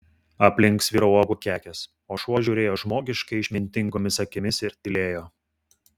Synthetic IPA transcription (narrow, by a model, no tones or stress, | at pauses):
ɐpʲlʲɪŋˑksʋʲiːɾɐɔɡukʲæːkʲɛs | oːʃuɔʒʲuːɾʲeːjoːʒmoːɡʲɪʃkɐɪɪʃʲmʲɪnʲt̪ʲɪŋɡoːmʲɪsɐkʲɪmʲɪsɪɾt̪ʲɪlʲeːjoː